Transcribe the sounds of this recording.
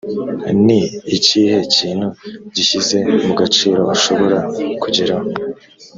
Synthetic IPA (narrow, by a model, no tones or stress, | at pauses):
niːciːhe̞ciːn̥huɟiçize̞muɡat͡ʃiːɾo̞aʃo̞βo̞ɾakuɟiɾaho